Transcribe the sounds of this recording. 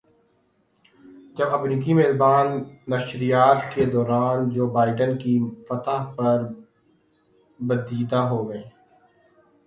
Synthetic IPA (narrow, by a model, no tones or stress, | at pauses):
d͡ʒɐbɐmɾiːk̬imeːlbaːnːɐʃɾijaːt̪ked̪ɔːɾaːnd͡ʒoːbaːɪɖənkifɐt̪apɐɾ | bəd̪iːd̪aɦoːɡɐeː